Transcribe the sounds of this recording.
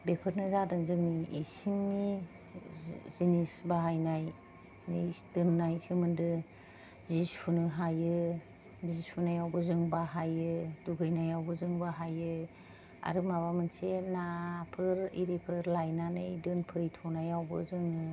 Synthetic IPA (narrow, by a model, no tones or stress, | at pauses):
bepʰɯɾnɯzadɯŋzɯŋniisiŋni | zinisbaɦajnaj | nɯjdɯnːajsɯmɯndɯ | zisʰunɯɦajɯ | zisunajawbɯzɯŋbaɦajɯduɡɯjnajawbɯzɯŋbaɦajɯ | a̰ɾɯmaβamɯnsenapʰɯɾḭɾipʰɯɾlajnanɯjdɯnpʰɯɾitʰɔnajawbɯ̰zɯŋɯ